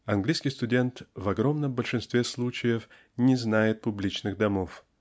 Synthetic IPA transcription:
ɐnɡlʲiskʲɪjst̪ʊdʲe̞nt̪vɐɡɾo̞mnəmbəlʲʂɨnst̪vʲeslˠut͡ɕɪjəf | nʲɪznajɪt̪̚pʊblʲit͡ɕnɨɣd̪ɐmof

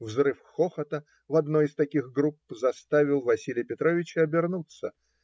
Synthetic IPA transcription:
vzrɨfxoxət̪ə | vɐd̪no̞jɪst̪ɐkʲiɣɡɾupzɐst̪avʲɪlˠvɐsʲilʲɪjpʲɪt̪ɾovʲɪt͡ɕəɐbʲɪrnut̪sə

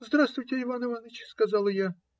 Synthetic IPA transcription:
zd̪ɾast̪vʊjtʲɪɪvanɨvanɨt͡ɕskɐzɑlˠɨja

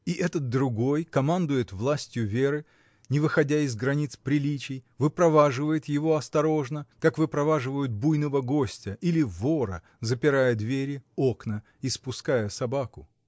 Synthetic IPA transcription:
iʔɛt̪ət̪̚d̪ɾʊɡo̞jkɐmand̪ʊjɪt̪vlˠasʲtʲjʊvʲe̞ɾɨ | nʲɪvɨxɐdʲaɪzɡɾɐnʲit̪spɾʲɪlʲit͡ɕɪjvɨpɾɐvaʐɨvəjɪt̪jɪvo̞ɐst̪ɐɾo̞ʐnəkakvɨpɾɐvaʐɨvəjʊt̪̚bujnəvəɡo̞sʲtʲəilʲɪvo̞ɾə̰ | zəpʲɪɾajəd̪vʲeɾʲɪoknə | ispʊskajəsɐbakʊ

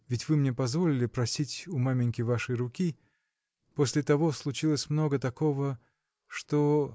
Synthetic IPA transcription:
vʲɪtʲvɨmnʲepɐzvo̞lʲɪlʲɪpɾɐsʲitʲʊmamʲɪnʲkʲɪvaʂɨjrʊkʲi | posʲlʲɪt̪ɐvo̞slˠʊt͡ɕilˠəsʲmno̞ɡət̪ɐko̞və | ʂt̪o

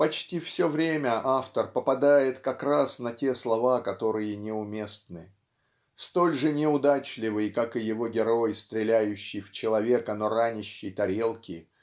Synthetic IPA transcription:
pɐt͡ɕtʲifsʲɵvɾʲemʲəʔaft̪ərpəpɐd̪ajɪt̪kɐkɾasnɐtʲe̞slˠɐvakɐt̪o̞ɾɨjɪnʲɪʊmʲe̞st̪nɨ | st̪o̞lʲʐɨnʲɪʊd̪at͡ɕlʲɪvɨjkakɨjɪvo̞ɡʲɪɾo̞jst̪ɾʲɪlʲæjʉɕːɪjft͡ɕɪlˠɐvʲe̞kənoɾanʲɪɕːɪjt̪ɐɾʲe̞lˠkʲɪ

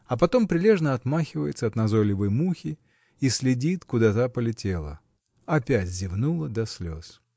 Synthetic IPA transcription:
ɐpɐt̪o̞mpɾʲɪlʲe̞ʐnəɐt̪maxʲɪvəjɪt̪səɐt̪nɐzolʲɪvəjmuxʲɪ | isʲlʲɪdʲit̪kʊd̪at̪apəlʲɪtʲelˠə̰ | ɐpʲætʲzʲɪvnulˠəd̪ɐsʲlʲo̞̰s

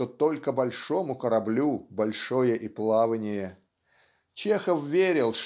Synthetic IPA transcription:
ot̪olʲkəbɐlʲʂo̞mʊkəɾɐblʲubɐlʲʂojəʔiplˠavənʲɪjə | t͡ɕexəfvʲeɾʲɪlˠʂ

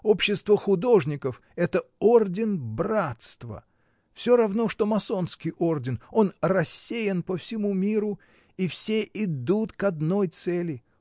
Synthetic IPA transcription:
o̞pɕːɪst̪vəxʊd̪o̞ʐnʲɪkəf | ɛt̪əordʲɪnbrat̪st̪və̰ | fsʲoɾɐvno̞ʂt̪o̞mɐso̞nskʲɪjo̞rdʲɪno̞nrɐsʲːejɪnpəfsʲɪmumʲiɾʊ | ifsʲeʔɪd̪ut̪kɐd̪no̞jt̪sɛlʲɪ

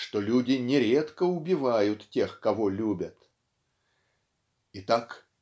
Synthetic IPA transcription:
ʂt̪olʲudʲɪnʲɪɾʲe̞t̪kəʊbʲɪvajʊt̪tʲe̞xkɐvolʲubʲət̪ | ɪt̪ak

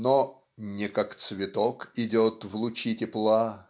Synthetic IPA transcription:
no | nʲɪkakt̪svʲɪt̪okɪdʲot̪vlˠʊt͡ɕitʲɪplˠa

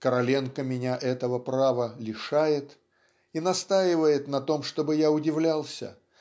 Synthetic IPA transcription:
kəɾɐlʲenkəmʲɪnʲaʔɛt̪əvəpɾavəlʲɪʂajɪt̪ | inɐst̪ajɪvəjɪt̪nɐt̪o̞mʂt̪o̞bɨjaʊdʲɪvlʲalˠsʲə̰

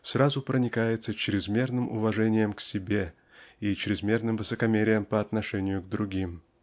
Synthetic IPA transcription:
sɾazʊpɾənʲɪkajɪt̪sət͡ɕɾʲɪzmʲe̞rnɨmʔʊ̰vɐʐɛnʲɪjəmksʲɪbʲe̞ | it͡ɕɾʲɪzmʲe̞rnɨmvɨsəkɐmʲeɾʲɪjəmpəɐt̪nɐʂɛnʲɪjʊɡd̪ɾʊɡʲim

